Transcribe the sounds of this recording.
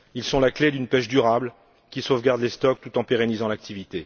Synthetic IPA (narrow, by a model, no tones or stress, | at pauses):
ilsɔ̃lakled̪ynpɛʃd̪yʁabl | kʲisovɡʲaʁd̪lest̪ɔk̚t̪ut̪ɑ̃peʁenizɑ̃lak̚t̪ʰivit̪e